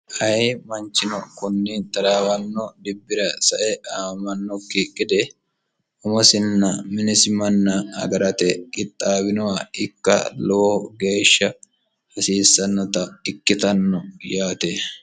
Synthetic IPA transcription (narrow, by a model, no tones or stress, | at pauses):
ʔɐjmɐnt͡ʃːɪnɔkʊnːɪt̪ɐɾaːwɐnːɔd̪ɪbːɪɾɐsɐʔɛʔaːmɐnːɔkiːkʼːɪd̪ɛ | ʊmɔsɪnːɐmɪnɛsɪmɐnːɐɐ̰ɡɐɾɐt̪ɛkʼɪt̪ʼːaːbɪnɔwaɪkːɐ̰lɔoɡe̞ːʃːɐ | hɐsiːsːɐnːɔt̪ɐɪkːɪt̪ɐnːɔjaːt̪e